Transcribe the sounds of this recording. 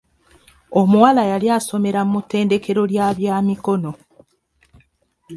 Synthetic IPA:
o̞muwalajaljaːso̞me̞ɾamutːe̞ːnde̞ke̞ɾo̞ljaːβjaːmiko̞no̞

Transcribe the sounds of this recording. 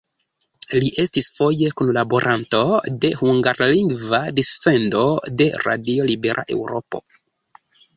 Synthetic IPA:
liʔe̞stisfo̞je̞kunlaboɾʔanto̞de̞huŋɡaɾliŋɡvadisːe̞ndo̞de̞̰ɾa̰dio̞libe̞ɾʔa̰ʔe̞wɾo̞po̞̰

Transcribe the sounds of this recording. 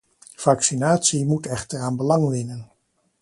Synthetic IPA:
v̥ɑksinaːtsimutɛχtəɹaːnbəlɑŋʋɪnən

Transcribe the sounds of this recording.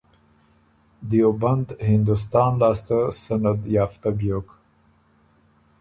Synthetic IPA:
d̪joband̪hɪnd̪us̬t̪ɑːnlɑːst̪asanad̪jɑːft̪abjoːk

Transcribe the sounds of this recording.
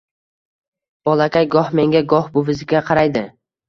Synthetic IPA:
b̥ɒlˠakʲajɡɒhme̞ŋɡʲaɡɒhbʊvɪzɪkʲɡʲaqʰɑɾajd̪ɪ

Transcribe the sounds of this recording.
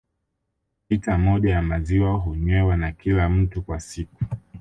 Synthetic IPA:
itamɔʄajamaziwaɦuɲwɛwanakilam̩tukwasiku̥

